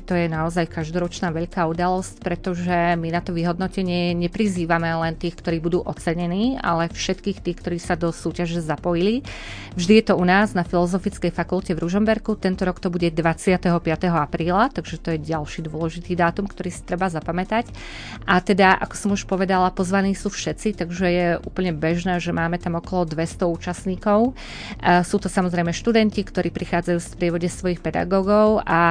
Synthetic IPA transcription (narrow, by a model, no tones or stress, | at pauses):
t̪ɔjɛnaɔzajkaʒd̪ɔɾɔt͡ʃnaːʋɛʎkaːud̪alɔscpɾɛt̪ɔʒɛminat̪ɔʋiɦɔd̪nɔcɛɲɪɛɲɛpɾiziːʋamɛlɛnt̪iːxkt̪ɔɾiːbud̪uːʔɔt͡sɛɲɛniːa̰lɛfʃɛt̪kiːxt̪iːkt̪ɔɾiːsad̪ɔsuːcaʒɛzapɔjili | vʒd̪ijɛt̪ɔunaːznafilɔzɔfit͡skɛjfakulcɛvɾuʒɔmbɛɾkut̪ɛnt̪ɔɾɔkt̪ɔbuɟɛd̪ʋat͡sɪat̪ɛɦɔpɪat̪ɛɦɔapɾiːlat̪aɡʒɛt̪ɔjɛɟalʃiːd̪ʊɔlɛʒit̪iːd̪aːt̪umkt̪ɔɾiːsi̥t̪ɾɛbazapamɛt̪ac | ʔat̪ɛd̪aʔa̰kɔ̥sɔmuʃpɔʋɛd̪alapɔzʋaniːsuːfʃɛt̪t͡sit̪aɡʒɛjɛʔṵːpl̩ɲɛbɛʒnɛːʒɛmaːmɛt̪amɔkɔlɔd̪ʋɛst̪ɔuːt͡ʃasɲiːkɔʊ | suːt̪ɔsamɔzɾɛjmɛʃt̪ud̪ɛncikt̪ɔɾiːpɾixaːd͡zajuːspɾɪɛʋɔɟɛsʋɔjiːxpɛd̪a̰ɡɔːɡɔʊa